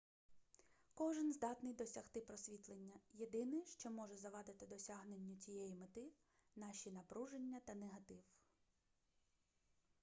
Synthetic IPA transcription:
kɔʒɪnzd̪ɑt̪nɪjd̪ɔsʲɐxt̪ɪpɾɔsʲʋʲit̪lˠenʲːɐjed̪ɪnɪjʃt͡ʃɔmɔʒɛzɐʋɑd̪ɪt̪ɪd̪ɔsʲɑɦnenʲːʊt͡sʲijɛjimɔt̪ɪ | nɑʃinɐpɾuʒenʲːɐt̪ɐneɦɐt̪ɪw

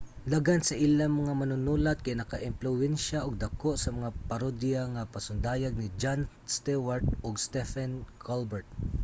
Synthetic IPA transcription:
laɡansɐʔilamɐŋamanʊnuːlat̪̚kajnɐkaʔɪmplʊwɛnʃaʔʊɡ̚d̪ɐkoʔsɐmɐŋapaɾod̪jaŋapɐsʊnd̪ajaɡ̚nɪd͡ʒan | st̪ɛwaɹt̪̚ʊɡst̪ɛfɛnkʰalbɛɹt̪̚

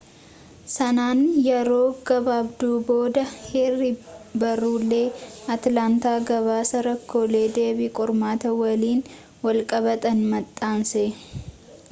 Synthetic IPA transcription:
sɐnaːnjɛɾo̞ːɡɐbaːbd̪uːbo̞ːd̪ɐheːrːɪbɐruːlːe̞ːɐt̪laːnt̪aːɡɐβaːsɐɾɐkʰːo̞ːle̞ːd̪e̞ːbikʼɔɾmaːt̪ɐwɐliːn | wɐlkʼɐβɐt̪ʼɐnmɐt̪ʼːaːnse

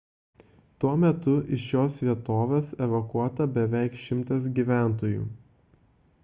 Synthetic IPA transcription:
t̪uɔmʲɛt̪ʊʔɪʃjoːsʋʲiɛt̪oːʋʲeːsɛʋɐkuɔt̪ɐbʲɛʋʲæˑɪkʃʲɪmˑt̪ɐsɡʲiːˑʋʲæˑnt̪oːjṵː

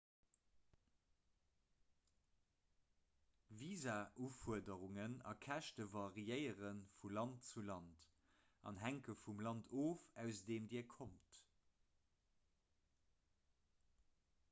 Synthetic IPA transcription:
viːzaʔuːfuədəʁuŋənɑ̰kʰæʃtəvɑʁiəɪəʁənfulɑntt͡sulɑnt | ʔɑ̰nɦæŋkəfumlɑntʰoːfæʊsdeːmdiːɐkʰomt

